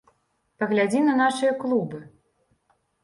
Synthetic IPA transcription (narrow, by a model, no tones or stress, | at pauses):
pɐɣlʲad͡zʲinɐnaʂɨjɐklˠubɨ